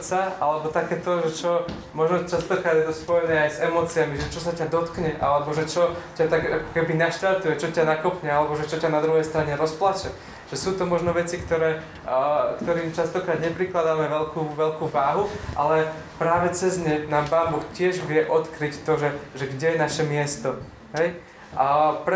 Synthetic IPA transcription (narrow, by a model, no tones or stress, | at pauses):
t͡saʔalɛbɔt̪akɛːt̪ɔʒɛt͡ʃɔ | mɔʒnɔt͡ʃast̪ɔkɾaːd̪jɛt̪ɔspɔjɛnɛːajzɛmɔːt͡siamiʒɛt͡ʃɔsacad̪ɔt̪kɲɛʔa̰lɛbɔʒɛt͡ʃɔcat̪aɡakɔ̥kɛbinaʃt̪aɾt̪ujɛt͡ʃɔcanakɔpɲɛalɛbɔʒɛt͡ʃɔcanad̪ɾuɦɛjst̪ɾaɲɛɾɔsplat͡ʃɛ | ʒ̥ɛsuːt̪ɔmɔʒnɔʋɛt͡sikt̪ɔɾɛː | kt̪ɔɾiːmt͡ʃast̪ɔkɾaːd̪ɲɛpɾiklad̪aːmɛʋɛʎkuːʋɛlkuːʋaːɦuʔalɛ | pɾaːʋɛt͡sɛzɲɛnaːmpaːmbɔxcɪɛʒʋɪɛʔɔt̪kɾict̪ɔʒɛʒɛɡɟɛjɛnaʃɛmɪɛst̪ɔ | ɦɛj | pɾɛ